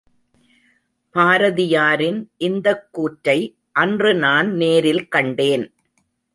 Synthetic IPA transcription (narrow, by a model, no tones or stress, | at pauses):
baːɾɐðɪjaːɾɪnʔɪnd̪ɐkːuːʈɾɐɪ | ʔɐndrɯnaːnneːɾɪlkɐɳɖeːn